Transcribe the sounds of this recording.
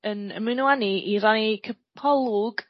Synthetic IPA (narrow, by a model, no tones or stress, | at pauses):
ənə̰mɪnwaniʔiɾanikʰəpʰɔlˠʊɡ̥